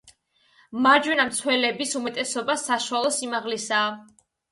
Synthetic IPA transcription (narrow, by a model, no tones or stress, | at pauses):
maɾd͡ʒwɛnamt̪sʰwɛlɛbisumɛt̪ʼɛsɔbasaʃuwalˠɔsimaʁlisaː